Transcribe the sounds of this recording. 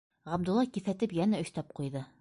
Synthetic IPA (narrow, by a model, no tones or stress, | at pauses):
ʁæb̚d̪ŭlˠːɑkiθæt̪ɘpjænæɵ̆ʃt̪æp̚qujðɤ